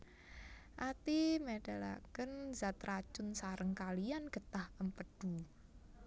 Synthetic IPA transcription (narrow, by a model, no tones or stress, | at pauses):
ʔat̪imeɖ̥ala̰kənzat̪rat͡ʃʊnsaɾəŋkalianɡ̥ə̤t̪ahʔəmpəɖ̥u